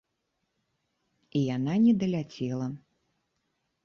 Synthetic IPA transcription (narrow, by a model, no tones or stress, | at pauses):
ijananʲɛd̪ɐlʲat͡sʲɛlˠɐ